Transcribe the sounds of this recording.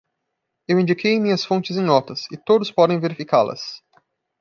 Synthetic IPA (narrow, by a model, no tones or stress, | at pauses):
ewĩnd͡ʒikʰej̃mĩɲɐsfõnt͡ʃɪzẽj̃nɔt̪ɐsɪt̪od̪ʊspɔd̪ẽj̃veɾifikaɾlɐ̰s